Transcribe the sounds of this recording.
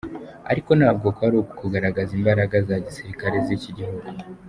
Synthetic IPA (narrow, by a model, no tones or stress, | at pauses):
a̰ɾiko̞nhaːb̚ɡo̞koβaɾooku̥kuɡaɾaɡazimbaɾaɡazaɟisiɾikaɾe̞ziciɟihuɡu